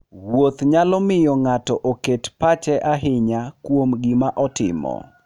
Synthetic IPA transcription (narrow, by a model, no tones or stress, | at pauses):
wot̪ɲalɔmɪjɔŋatɔʔoketpat͡ʃɛʔaɦɪɲakwomɡɪmaʔɔtɪ̰mɔ̰